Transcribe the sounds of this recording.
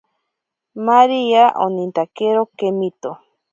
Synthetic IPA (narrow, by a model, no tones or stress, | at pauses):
maɾiaʔonĩnt̪akeɾokemit̪o